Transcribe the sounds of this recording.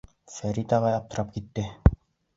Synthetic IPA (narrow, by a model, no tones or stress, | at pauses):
sæɾit̪ɑʁɑjɑp̚t̪ɤ̆ɾɑp̚kit̪ːɘ